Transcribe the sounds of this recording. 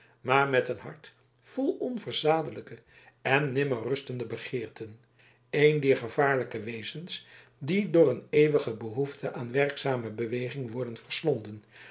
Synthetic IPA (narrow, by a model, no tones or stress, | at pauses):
maːɹmɛtənɦɑ̰ɹt | fɔlˠɔnvəɹz̥aːdələkə | ɛnːɪmərɵstəndəbəχɪːɹtən | ejndɛːɹχəv̥aːɹləkəʋejzəns | didʊːrənejʋəχəbəɦuftʰəʔaːnʋɛɹksaːməbəʋejχɪŋʋɔɹdənvəɹslɔndən